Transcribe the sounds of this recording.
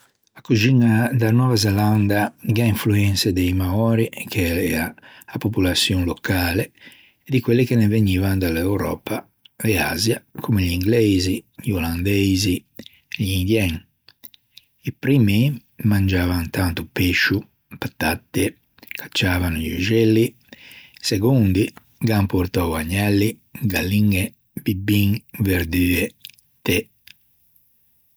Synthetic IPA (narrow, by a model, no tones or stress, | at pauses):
akud͡ʒinːad̪anwɔːvazeland̪aɡaiɱfluɛnt̪sed̪ejmaɔːɾikʰeɛaːpopulat̪sːjoŋlokaːleː | d̪ikwelːekeneveɲiːvand̪alɛwɾɔ̰ːpa | ɛa̰ːzjakʰumeʎiŋɡlɛziʎioland̪ɛzi | eʎind̪jɛŋ | ipɾimi | mand͡ʒaːvant̪ant̪upeʃːu | pat̪ːat̪ːe | kʰḁt͡ʃːaːvanuʎud͡ʒelːi | seɡund̪i | ɡampoɾt̪ɔwaɲːɛlːi | ɡalːiŋe | bibiŋveɾd̪yːe | t̪e